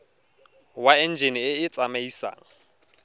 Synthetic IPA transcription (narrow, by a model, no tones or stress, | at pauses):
waɛnd͡ʒenɪɪɪt͡sʼamaisa̰ːŋ̩